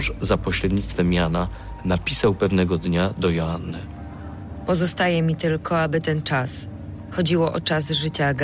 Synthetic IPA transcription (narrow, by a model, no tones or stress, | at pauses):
ʂzapɔɕɾɛd̪ɲʲit̪st̪fɛmʲjana | napʲisawpɛvnɛɡɔd̪ɲad̪ɔjɔanːɘ̰ | pɔzɔst̪ajɛmʲit̪ɘlkʰɔabɘt̪ɛnt͡ʂas | xɔd͡ʑiwɔʔɔ̰t͡ʂazʐɘt͡ɕaɡ